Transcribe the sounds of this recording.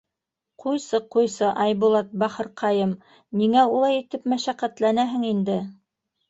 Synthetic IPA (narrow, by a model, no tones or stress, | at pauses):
qʰujsɤqujsɤʔɑjbulˠɑt̪̚bɑχɤ̆ɾqʰɑjɤm | niŋæulˠɑjit̪ɘpmæʃæqæt̪lænæɦɘŋind̪ɘ